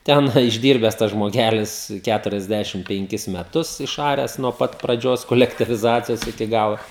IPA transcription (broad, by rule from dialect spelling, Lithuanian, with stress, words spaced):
ˈtʲɛn ɪʒʲˈdʲiːrʲbʲɛs tɐs ʒmoːˈɡʲæːlʲɪs ˈkʲætʊrʲɛzʲˌdʲæʃʲɪm pʲɛŋʲˈkʲɪs mʲɛˈtʊs ɪʃˈɑːrʲæːs nuɔ ˈpɐt prɐˈd͡ʒʲoːs koːlʲɛktʲiːʋʲɪˈzɑːt͡sʲɪjoːs ɪkʲɪ ˈɡɑːlˠoː